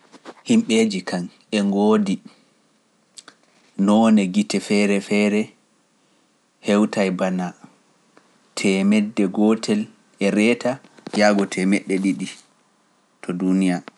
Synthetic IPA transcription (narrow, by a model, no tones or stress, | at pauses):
himɓed͡ʒikan | ɛŋɡoːdi | nɔnɛɡitɛfɛɾɛfɛɾɛ | hɛwtajbana | tʰɛmɛdːɛɡɔtʰɛl | ɛɾɛtajaɡɔtʰɛmɛɗːɛɗiɗi | tʰɔdunija